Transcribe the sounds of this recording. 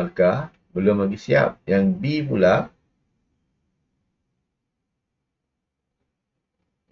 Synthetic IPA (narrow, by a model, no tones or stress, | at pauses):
alka | bəlumlaɡisia̰p̚jaŋbibulaʔ̚